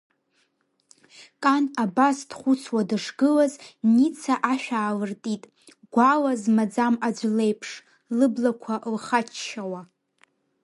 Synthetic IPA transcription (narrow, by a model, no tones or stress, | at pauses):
kʼanabasdχʷʊt͡sʰwadɨʂɡɨlaznit͡sʰaʔaʃᶣaːlɨrtʼitʼ | ɡ̥ʷalazmad͡zamad͡ʒʷle̞jpʰʂ | lɨblakʷʰaʔlχat͡ʃʰʃawa